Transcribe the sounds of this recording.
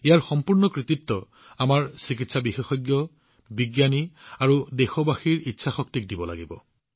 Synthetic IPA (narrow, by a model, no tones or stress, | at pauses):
ejaɹxɔmpuɹnɔkɹit̪itːɔ | amaɹsikitsabixexɔjɡjɔ | biɡjaniaɹudexɔbaxiɹitːsʰaxɔk̚tik̚dibɔla̰ɡibɔ